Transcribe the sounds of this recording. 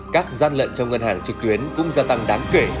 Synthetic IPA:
kaː˦˥k̚zaː˧nlə̰˧˨nt͡ɕɔ˧wŋ͡mŋə˧nhaː˧˩ŋt͡ɕɨ˨˩k̚t̪wi˨˦ənkʊ̰˧˥ŋ͡mzaː˧t̪a˧ŋɗaː˨˦ŋke˧˩

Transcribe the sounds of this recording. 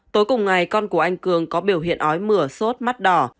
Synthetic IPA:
t̪o˨˦jkʊ˨˩ŋ͡mŋa˨˩jkɔ˧nku˧˩əʔa˧jŋ̟kɨ˨˩əŋkɔ˨˦ɓi˧˩əwɦḭ˧˨ənʔɔ˨˦jmɨ˧˩əso˦˥t̚ma˦˥t̚ɗɔ˧˩

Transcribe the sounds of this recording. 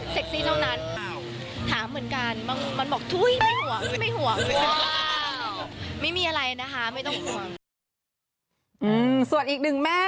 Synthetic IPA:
se˨˩k̚t̪ʰiː˧˥˩t̪ʰa˥˩wna˦˥˩n˧˩w | t̪ʰaː˩˦mːɯ˩˦nka˧nma˧˥nma˧nbɔː˨˩k̚t̪ʰu˦˥˨jma˥˩jhu˨˩˦əŋma˥˩jhu˨˩˦əŋ˧˦ | ma˥˩jmiː˧ʔa˧ɾa˧ja˧na˦˥kʰa˦˥ma˥˩jt̪ɔ˥˩ŋhu˨˩˦əŋ | ʔɯː˧msu˨˩ənʔiː˨˩k̚nɯ˨˩ŋmɛː˥˩

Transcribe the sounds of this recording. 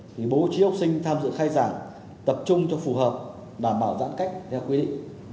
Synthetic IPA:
t̪ʰi˨˩ɓo˨˦t͡ɕi˨˦wk͡p̚sï˧ŋ̟t̪ʰaː˧mzɨ̰˧˨xaː˧jzaː˧˩ŋ | t̪ə˨˩p̚t͡ɕʊ˧ŋ͡mt͡ɕɔ˧fu˨˩ɦəː˨˩p̚ | ɗaː˧˩mɓaː˧˩wza̰ː˧˥nka̰˧˥jŋ̟t̪ʰɛ˧wkwi˧ɗḭ˧˨ŋ̟

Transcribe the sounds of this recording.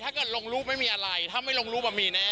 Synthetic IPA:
t̪ʰaː˥˩kɤː˨˩t̪̚loː˧ŋɾuː˥˩ma˥˩jmiː˧ʔa˧ɾa˧jt̪ʰaː˥˩ma˥˩jloː˧ŋɾuː˦˥ba˧˩miː˧nɛ˦˥

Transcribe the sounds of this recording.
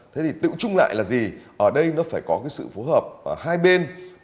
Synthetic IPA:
t̪ʰe˨˦t̪ʰi˨˩t̪ɨ̰˧˨t͡ɕʊ˧ŋ͡mla̰ː˧˨jlaː˨˩zi˨˩ʔəː˧˩ɗə˧jnɔ˨˦faː˧˩jkɔ˨˦kaː˨˦jsɨ̰˧˨fo˨˦həː˨˩p̚ːhaː˧jɓe˧n

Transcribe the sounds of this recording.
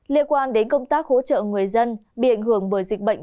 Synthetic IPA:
li˧ənkwaː˧nɗe˨˦nkə˧wŋ͡mt̪aː˦˥k̚ho̰˧˥t͡ɕə̰ː˧˨ŋɨ˨˩əjzə˧nɓḭ˧˨ʔa˧˩jŋ̟ɦɨ˧˩əŋɓəː˧˩jzï˨˩k̟̚ɓə̰˧˨ŋ

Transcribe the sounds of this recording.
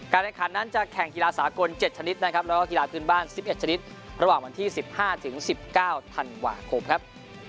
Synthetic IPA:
kaː˧nʔɛ˨˧˩kʰaː˩˦nːa˥˩nt͡ɕa˨˩kʰɛ˨˩ŋki˧laː˧saː˩˦ko˧nt͡ɕe˨˩t̪̚t͡ɕʰa˧ni˦˥t̪̚na˦˥kʰa˦˥p̚lɛː˦˥kɔː˥˩ki˧laː˧pʰɯː˥˩nbaː˥˩nsi˨˩p̚ʔe˨˩t̪̚t͡ɕʰa˧ni˦˥t̪̚ | ɾa˧waː˨˩ŋwa˧nt̪ʰiː˥˩si˨˩p̚haː˥˩t̪ʰɯ˩˦ŋsi˨˩p̚kaː˥˩wt̪ʰa˧nwa̰ː˧kʰo˧mkʰa˦˥p̚

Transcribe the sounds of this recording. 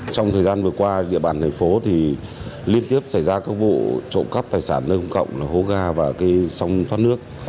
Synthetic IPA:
t͡ɕɔ˧wŋ͡mt̪ʰəː˨˩jzaː˧nvɨ˨˩əkwaː˧ɗḭ˧˨əɓaː˨˩nt̪ʰɛ˨˩ŋ̟fo˨˦t̪ʰi˨˩ | li˧ənt̪i˦˥əp̚sa˧˩jzaː˧kaː˦˥k̚vo̰˧˨t͡ɕo̰˧˨nkə˦˥p̚t̪aː˨˩jsaː˧˩nːəː˧hə˧ŋ͡mkə̰˧˨wŋ͡mlaː˨˩ho˨˦ɣaː˧˩vaː˨˩kaː˨˦jsa˧wŋ͡mfwaː˦˥nɨ˦˥ək̚

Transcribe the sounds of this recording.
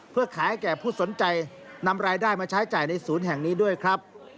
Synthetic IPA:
pʰɯ˥˩ɐkʰaː˩˦jkɛː˨˩pʰuː˥˩so˩˦nt͡ɕa˧j | na˧mɾaː˧jdaː˥˩jmaː˧t͡ɕʰaː˦˥jt͡ɕaː˨˩jna˧jsuː˩˦nɦɛ˨˩ŋniː˦˥du˥˩əjkʰɾa˦˥p̚

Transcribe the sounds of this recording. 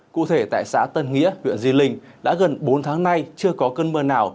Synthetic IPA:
kṵ˧˨t̪ʰe˧˩t̪a̰ː˧˨jsaː˨˦t̪ə˧nŋḭ˧˥əhwḭ˧˨ənzi˧lï˧ŋ̟ | ɗa̰ː˧˥ɣə˨˩nɓo˨˦nt̪ʰaː˨˦ŋna˧jt͡ɕɨ˧əkɔ˨˦kəː˧nməː˧naː˨˩w

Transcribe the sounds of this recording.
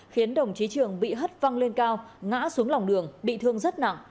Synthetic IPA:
xi˨˦ənɗə˨˩wŋ͡mt͡ɕi˨˦t͡ɕɨ˨˩əŋɓḭ˧˨ɦə˦˥t̚va˧ŋle˧nkaː˧wŋa̰ː˧˥su˨˦əŋla˨˩wŋ͡mɗɨ˨˩əŋɓḭ˧˨t̪ʰɨ˧əŋzə˦˥t̚na̰˧˨ŋ

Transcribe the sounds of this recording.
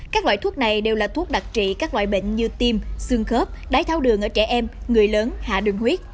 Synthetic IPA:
kaː˦˥k̚lwa̰ː˧˨jt̪u˦˥ək̚na˨˩jɗe˨˩wlaː˨˩t̪ʰu˦˥ək̚ɗa˨˩t̚t͡ɕḭ˧˨kaː˦˥k̚lwa̰ː˧˨jɓə̰˧˨ŋ̟ɲɨ˧t̪i˧msɨ˧əŋxə˦˥p̚ɗaː˨˦jt̪ʰaː˧wɗɨ˨˩əŋʔəː˧˩t͡ɕɛ˧˩ʔɛ˧mŋɨ˨˩əjləː˨˦nha̰ː˧˨ɗɨ˨˩ŋhwi˦˥ət̚

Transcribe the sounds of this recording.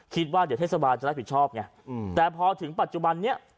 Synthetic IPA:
kʰi˦˥t̪̚waː˥˩d̪i˨˦t̪ʰeː˥˩sa˧baː˧nt͡ɕa˨˩ɾ̚p̚ʰi˨˩t̚t͡ɕʰɔː˥˩p̚ŋa˧˩˧ | t̪ɛː˨˩pʰɔː˧t̪ʰɯ˩˦ŋpa˨˩t̪̚t͡ɕu˨˩ba˧nːi˦˥ɐ

